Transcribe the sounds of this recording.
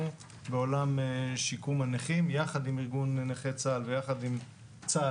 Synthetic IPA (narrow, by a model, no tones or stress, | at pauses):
beolamʃikumaneχimjaχad̪imiʁɡunːeχet͡salvejaχad̪im | t͡sa